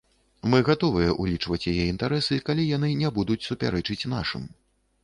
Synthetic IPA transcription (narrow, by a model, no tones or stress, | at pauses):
mɨɣat̪ɔvɨjɛʔulʲit͡ʂvɐt͡sʲjajɛint̪aɾɛsɨkalʲijan̪ɨnʲɛbud̪ut͡sʲsupʲa̰ɾɛt͡ʂɨt͡sʲn̪a̰ʂɨ̰m